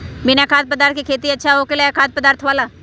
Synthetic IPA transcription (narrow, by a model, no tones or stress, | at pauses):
bɪnakʰaːt̪̚pəd̪aːɾt̪̚ʰkikʰeːt̪iɐtːʃʰaɦoːkelejakʰaːt̪̚pəd̪aːɾt̪ʰʋaːlaː